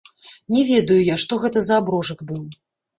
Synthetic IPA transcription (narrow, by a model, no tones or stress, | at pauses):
nʲɛvʲɛd̪ɐjujaʂt̪ɔɣɛt̪ɐzɐːbɾɔʐɐkbɨw